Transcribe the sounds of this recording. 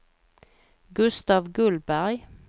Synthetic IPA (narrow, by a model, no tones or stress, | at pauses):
ɡʉst̪ɑːʋɡʉlbæʁj